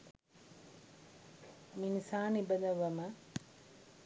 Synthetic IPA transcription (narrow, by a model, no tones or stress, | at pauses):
minisaːnibənəʋəmə